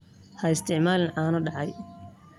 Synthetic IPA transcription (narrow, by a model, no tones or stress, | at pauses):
hɐɪst̪ʰɪʕmaːlɪnʔaːnɐɖɑʕɑj